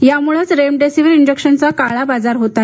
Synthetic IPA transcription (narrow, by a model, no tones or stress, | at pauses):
jamuɭət͡sɾemɖesiʋiɾiɲd͡ʑekɕənt͡sakaɭabad͡zaɾɦot̪a